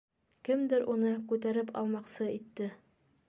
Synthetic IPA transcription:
kɘmd̪ɘɾunɤkʉt̪æɾɘpɑ̰lˠmɑqsɤit̪ːɘ

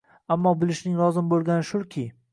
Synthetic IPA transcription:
amːɒbɪlɪʃnɪŋlˠɒzɪmbolˠɡʲanɪʃʊɾkʲʰɪ

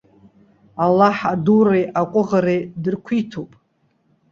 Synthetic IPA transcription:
alːaħadurejʔaqʷʼʊʁaɾejdɨrkʷʰitʰopʼ

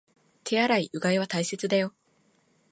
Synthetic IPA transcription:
t̪ʰe̞aɾaiɯ̟ɡaiβ̞at̪aise̞t͡sɨd̪ajo̞

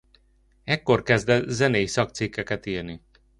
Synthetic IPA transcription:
ɛkːo̞rkɛzd̪ɛzɛneːjsɒk̚t̪sikːɛkɛt̪iːrni

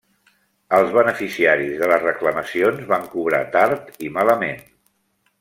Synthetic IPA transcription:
əlˠzβənəfisiaɾizðələzrəkləməsionzβaŋkuβ̞ɾa̰t̪aɾt̪imaləmen

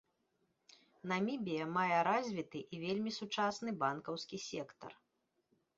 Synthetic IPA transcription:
nɐmʲibʲijɐmajɛɾazʲvʲit̪ɨʔivʲelʲmʲisut͡ʂasnɨbankɐwskʲisʲɛkt̪ɐ̰r

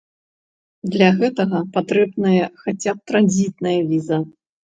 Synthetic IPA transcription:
d̪lʲɐɣɛt̪ɐɣɐpat̪ɾɛbnɐjɐxat͡sʲap̚t̪ɾanʲzʲit̪̚nɐjɐvʲizɐ

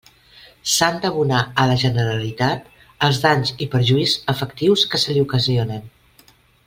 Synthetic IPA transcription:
sand̪əβunaələʒənəɾəlit̪at̪ | əlˠzðaɲzipəɾʒuizəfəkt̪iwskəsəliukəzionən

